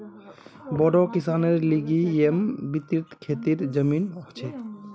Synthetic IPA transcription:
bɔɖɔkisaneɾliɡiembit̪it̪kʰet̪iɾd͡ʒəminɔɦt͡ʃʰɛ

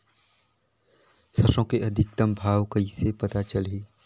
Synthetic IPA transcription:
sɐʃõkeɐd̪ʱɪk̚t̪əmbʱaːwkəisepɐt̪at͡ʃəlɦiː

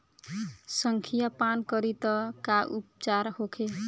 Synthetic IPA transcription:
səŋkʰijapankʌɾit̪ɔkaʔupt͡ʃaɾhokʰe

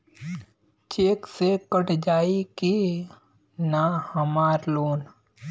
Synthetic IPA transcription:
t͡ʃeːksekəʈd͡ʒaːiki | nahəmaːɾloːn

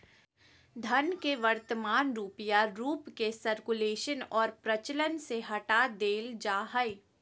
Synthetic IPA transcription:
d̪ʱɐnkeʋəɾt̪əmaːnɾuːpijaɾuːpkesəɾkuleːʃənɔːɾpɾɐt͡ʃələnseɦɐʈad̪eːld͡ʒaːɦəi

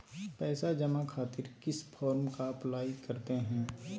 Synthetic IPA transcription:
pɛːsad͡ʒɐmakʰaːt̪ɪɾkɪspʰɔːɾmkaɐplaːikɐɾt̪eɦɛ̃ː

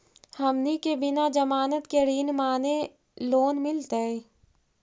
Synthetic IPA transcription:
hɐmnikebɪnad͡ʒɐmaːnət̪keɽiːnmaːne | loːnmɪlt̪aeː

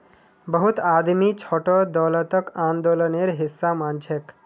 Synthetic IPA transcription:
bəɦut̪ad̪mit͡ʃʰoːʈod̪ɔːlət̪əkãːnd̪oːləneɾɦisːamant͡ʃʰek

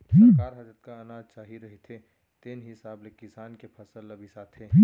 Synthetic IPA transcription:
tʰiːkkaːɾɦad͡ʒət̪kaɐnaːd͡ʒt͡ʃaːɦiɾɐɦet̪ʰe | t̪eːnɦɪsaːblekɪsaːnkepʰɐsəlːɐbisat̪ʰeːi

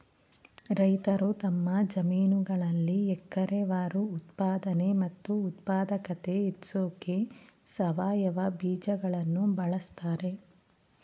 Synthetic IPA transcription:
ɾɐjt̪ɐɾut̪ɐmːɐd͡ʒɐmiːnuɡɐɭɐlːiɛkːɐɾeʋaːɾuːt̪paːd̪ɐnemɐt̪ːuːt̪̚paːd̪ɐkɐt̪e̞it̪soːkesɐʋaːjɐʋɐbiːd͡ʒɐɡɐɭɐnːubɐɭɐst̪aːɾe̞

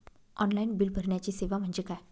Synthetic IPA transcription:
ɔnlainbilbʱəɾɳjat͡ɕiːseʋam̤əɳd͡ʑekaj

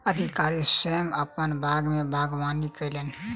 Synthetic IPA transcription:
əd̪ʱikaːɾisəəməpənbʱaːɡmẽbʱaːɡʋaːnikelen

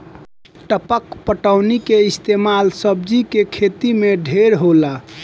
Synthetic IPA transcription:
ʈəpəkpəʈəʊnikeist̪emalsəb̚d͡ʒikekʰet̪imeɖʱeɾɦola

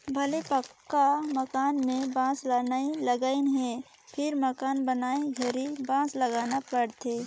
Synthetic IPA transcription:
bʱɐlepəkːaməkaːnmẽbãːslanailəɡaːinɦɛ̃ | pʰɪɾməkaːnbənaːeɡʱɐɾibãːsləɡaːnapəɽt̪eː

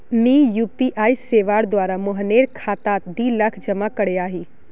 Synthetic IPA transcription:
miːjuːpiʔaːiseːʋaːɽd̪waːɾamʊɦəneːɾkʰaːt̪aːt̪d̪iːlakʰd͡ʒɐmakəɽeaːɦiː

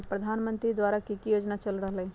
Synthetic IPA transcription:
pɾəd̪ʱanmə̃nt̪ɾid̪ʋaɾakikijoːd͡ʒnat͡ʃəlɾəɦlẽ

